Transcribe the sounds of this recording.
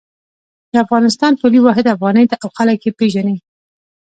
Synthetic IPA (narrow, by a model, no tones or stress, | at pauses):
d̪̥əafɣɑnɪs̬t̪ɑnpoliwɑɦɪd̪afɣɑnəjt̪aʔawxalakːepeʒane